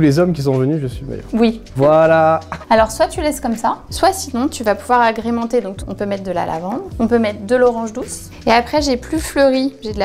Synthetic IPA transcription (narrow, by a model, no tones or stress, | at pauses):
ulezɔmkʲis̬ɔ̃vənyʒəsɥima̰jœ̰ʁwivwalaalɔʁswat̪ylɛskɔmsaswasinɔ̃t̪yvapuvwaʁaɡʁemɑ̃t̪ed̪ɔ̃kɔ̰̃pømɛt̪χ̚d̪əla̰la̰vɑ̃d̪ʁɔ̃pømɛt̪χd̪əlɔʁɑ̃ʒd̪us | eapχɛʒeplyfløʁiʒed̪əla